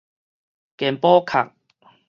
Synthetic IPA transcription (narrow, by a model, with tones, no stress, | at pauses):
kɛ˨˩mpɔː˦kʰa̰˨˩k̚